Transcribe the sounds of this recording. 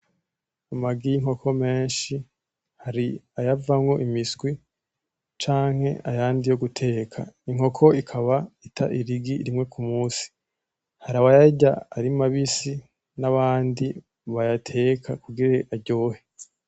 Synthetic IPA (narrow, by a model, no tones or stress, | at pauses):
umaɡijiŋ̥o̞kʰo̞me̞ːnʃi | haɾiajavamŋo̞ʔimisɡwi | t͡ʃaːŋ̥he̞̰ajaːndijo̞ɡutʰe̞ːkʰa̰iŋ̥o̞kʰo̞ikʰaβaitʰa̰ʔiɾiɡiɾimŋe̞kumuːsi̥ | haɾaβajaɟaaɾimaβisi | naβaːndi | βajatʰe̞kʰakuɡiɾeʔaɟo̞ːhe